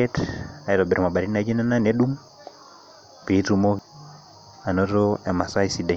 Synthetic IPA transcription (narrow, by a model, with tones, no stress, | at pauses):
ɛ˦ta˨i˨ɾɔ˨bɛ˨ɾma˨ɓa˨ɾi˦na˨˦d͡ʒi˦na˦na˦nɛ˦ɗu˦ŋ | pi˨˦tu˨˦mɔ˦ | a˨nɔ˦ɾo˦ɛ˨ma˨sa˦isi˨dɛ˨